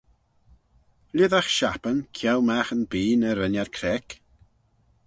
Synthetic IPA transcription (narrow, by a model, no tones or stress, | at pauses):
lʲɪðaxʃapənkʰjɛwmaxənbiːnəɾənjarkʰɾɛk